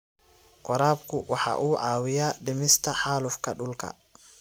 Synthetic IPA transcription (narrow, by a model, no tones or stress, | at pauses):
qɔɾaːbkʰʊwɑħɑ̰ʔuːʕɑːwɪjaːɖɪmɪst̪ʰɐħɑːlʊfkʰɐɖʊlkʰɐ̰